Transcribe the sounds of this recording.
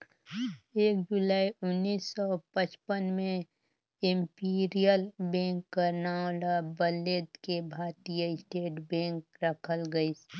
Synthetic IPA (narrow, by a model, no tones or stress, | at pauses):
eːk̚d͡ʒʊlaːiʊnːiːsːɔpət͡ʃpənmẽ | ɪ̃mpiɾijəlbɛ̃ːŋkːəɾnalabəleːd̪kebʱaːt̪ijəɪsʈeːʈbɛ̃ːŋkɾəkʰəlɡəis